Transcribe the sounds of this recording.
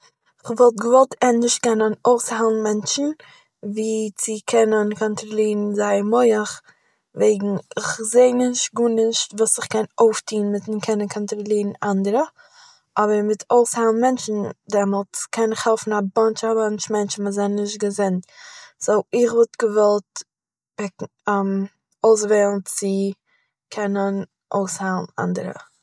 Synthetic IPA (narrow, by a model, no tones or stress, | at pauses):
ɪχvɔlˠtɡəvɔlˠtʰɛnnɪʃt̚kɛnənoʊshalˠn̩mɛnt͡ʃn̩ | viːt͡sɪkʰɛnənkʰɔntɾɔlˠiːɾn̩zaɪmɔɪəχ | veɪɡŋ̩ɪχzeɪnɪʃt̚ɡuːnɪʃtvuːsɪχkɛnoʊftiːnmɪtɪkʰɛnənkʰɔntɾɔlˠiːɾn̩andəɾə | ʔɔbəɾmɪtʰoʊshalˠn̩mɛnt͡ʃn̩dɛmɔlˠt͡skʰɛnɪχhɛlˠfn̩abɔnt͡ʃabant͡ʃmɛnt͡ʃn̩məzanːɪʃt̚ɡəzɪntz̥oʊɪχvʊtɡəvɔlˠt̚ | pɛk | am | oʊs̬veːlˠn̩t͡sɪ | kʰɛnən | ʔo̰ʊshalˠn̩a̰ndəɾə̰